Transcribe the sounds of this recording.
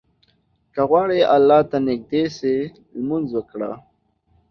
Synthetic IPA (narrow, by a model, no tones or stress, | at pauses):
kaɣwɑɽeʔalːɑt̪anɪɡ̚d̪ese | lmʊnzwəkɽa̰